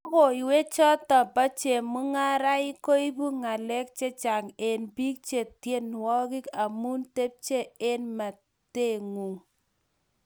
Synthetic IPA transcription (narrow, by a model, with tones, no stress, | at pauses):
ko˨i˨we˦t͡ʃɔ˦tɔ˨ba˦t͡ʃe˨mu˦ŋa˦ɾa˦i˦ko˦i˦bu˦ŋa˨lɛ˦k̚t͡ʃe˦t͡ʃa˨ŋe˨nbi˦k̚t͡ʃe˨tje˦n˨wɔ˦ki˦ka˨mu˦nte˦p̚t͡ʃe˦e˦nma˨ | te˦˨ŋu˨ŋ